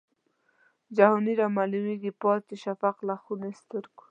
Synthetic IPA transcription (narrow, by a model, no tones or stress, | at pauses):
d͡ʒahuniɾamalumiɡipɑt̪eʃafaqlaxunest̪əɾku̥